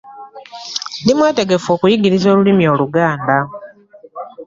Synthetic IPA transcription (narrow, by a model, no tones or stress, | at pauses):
ndimwete̞ɡe̞fo̞ːkujiɡiɾizo̞ːlulimjo̞ːluɡaːnda